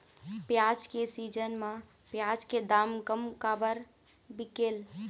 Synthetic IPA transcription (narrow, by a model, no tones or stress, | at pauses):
pjad͡ʒkesid͡ʒənmã | pjad͡ʒked̪amkəmkabəɾ | bikeːl